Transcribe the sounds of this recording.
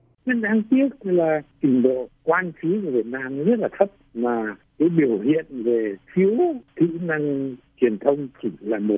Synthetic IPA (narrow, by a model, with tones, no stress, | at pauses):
zḭ˧˥nʔaː˨˧˦ŋt̪i˦˥ət̚laː˨˩t͡ɕi˧˩ŋ̟ɗo̰˧˨kwaː˧nfi˨˦ku˧˩vi˨˩ət̚naː˧m˦zə˦˥t̚laː˨˩t̪ʰə˦˥p̚maː˨˩kaː˨˦jɓi˧˩əwhḭ˧˨ənve˨˩fi˨˦əwt̪ʰḭ˧˥na˧ŋt͡ɕwi˨˩ənt̪ʰə˧wŋ͡mt͡ɕi˧˩laː˨˩mo˨˩t̚